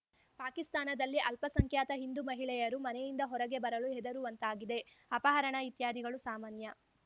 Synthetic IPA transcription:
paːkist̪aːnɐd̪ɐlːiʔɐlpɐsɐŋkjaːt̪ɐɦind̪umɐɦiɭɛjɐɾumɐnejind̪ɐɦɔɾɐɡe̞bɐɾɐluɛd̪ɐɾuʋɐnt̪aːɡid̪e̞ɐpɐɦɐɾɐɳɐit̪jaːd̪iɡɐɭusaːmaːnjɐ

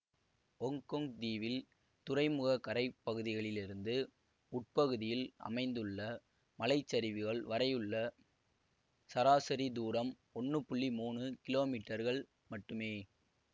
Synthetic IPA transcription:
ɔŋkɔŋd̪iːʋɪl | t̪ʊɾɐɪmɯɣɐkɐɾɐɪpːɐɣɯðɪɣɐɭɪlɪɾɯnd̪ɯ | ʊʈ̚pɐɣɯðɪjɪlʔɐ̰mɐɪnd̪ɯɭːɐ | mɐlɐɪt͡ʃːɐɾɪʋɯɣɐɭʋɐɾɐjɯɭːɐ | sɐɾaːsɐɾid̪uːɾɐm | ɔɳːɯpʊɭːimuːɳɯkɪloːmiːʈːɐɾɣɐɭ | mɐʈːɯmeː

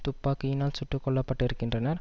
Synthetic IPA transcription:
t̪upːaːkːɯinaːlt͡ʃʊʈːukɔlːɐpːɐʈːiɾɯkːiɳɖɾɐnɐɾ

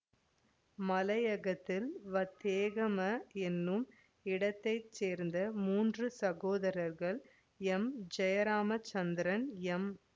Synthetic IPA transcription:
mɐlɐjɐɣɐt̪ːɪlʋɐt̪ːeːɣɐmɐɛnːɯm | ɪɽɐt̪ːɐɪt͡ʃːeːɾnd̪ɐmuːndrɯsɐɣoːðɐɾɐɾɣɐɭ | ɛmd͡ʒɐjɐɾaːmɐt͡ʃːɐnd̪ɪɾɐnɛm

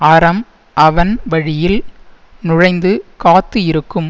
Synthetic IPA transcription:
ɐɾɐm | ʔɐʋɐnʋɐɻɪjɪl | nʊɻɐɪnd̪ɯkaːt̪ːɯɪɾɯkːɯm

